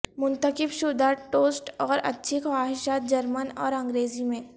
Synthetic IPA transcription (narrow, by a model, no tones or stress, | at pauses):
mʊ̃nt̪əkɪbʃʊd̪aʈoːsʈɔːɾɐ̰tːʃʰixwaːɦɪʃaːt̪̚d͡ʒɐɾmənɔːɾɐ̃ŋɡɾeːzimẽː